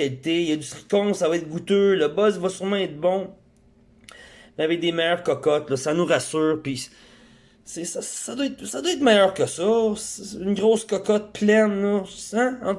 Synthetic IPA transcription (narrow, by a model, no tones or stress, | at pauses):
alit̪ejʌd̪ysʁi̥kɔ̃savɑɛːt̪̚ɡut̪øləbɔzvɔsyʁmãɛt̪̚bɔ̃ | mɛavɛk̚d̪emɛjœːʁkɔkɔt̪lɔsanuʁasyːʁpi | sɪsasːad̪waɛt̪sad̪waɛːt̪mɛjœːʁkəsɔsːnɡʁoːskɔkɔt̪̚pʰlɛnlɔãɑ̃